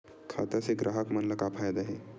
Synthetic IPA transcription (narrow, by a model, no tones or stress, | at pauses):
kʰa̰t̪aseɡɾaɦəkmənləkapʰajd̪aɦe